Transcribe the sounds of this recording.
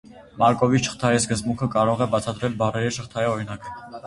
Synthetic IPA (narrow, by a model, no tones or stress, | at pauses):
mɑɾkɔviʃə̥χt̪ʰɑjiskəzbuŋkʰəkɑɾɔʁɛbɑt͡sʰɑd̪ɾɛlbɑrɛɾiʃəχt̪ʰɑjiɔɾinɑkə